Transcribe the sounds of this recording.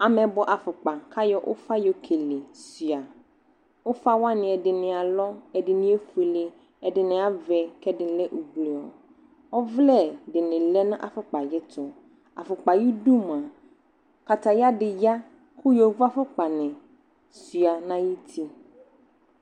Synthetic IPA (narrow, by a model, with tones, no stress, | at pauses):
a˨mɛ̃˨bɔ˨ʔa˨fʊ˨k͡pa˨kʰa˦jɔ˦ʔʊ̰˦fa˦jɔ˨kʰe˨le˨sɥa˨ | ʊ˦fa˦wa˦nɪ̃˨ɛ˨dɪ˨nɪ̃˨a˨lɔ˦ɛ˨dɪ˨nɪ̃˦ɛ˦fe˨lɪ˨ | ɛ˨dɪ˨nɪ̃˨a˦vɛ˨kɛ˦dɪ˨lɛ˦ʔu˨bli˨ɔ˨ | ɔ˦vlɛ˦˨dɪ˨nɪ̃˨lɛ˦nʊ̃˦ʔa̰˨fʊ˦k͡pa˨jɪ˦tʰʊ˨ | a̰˨fʊ˨k͡pa˨ji˦du˦m˨ã˨ | ka˨t̪ʰa˨ja˦dɪ˨ja˦ | kʰʊ˦jɔ˨vu˦a˦fʊ˦k͡pa˨nɪ̃˨ | sɥa˨nã˦ji˦t̪ʰi˦